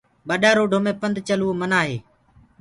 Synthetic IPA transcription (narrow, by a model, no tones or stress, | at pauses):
ɓəɗaːɾoːɖʱoːmẽːpənd̪ʱt͡ʃəluːomənaːɦḛː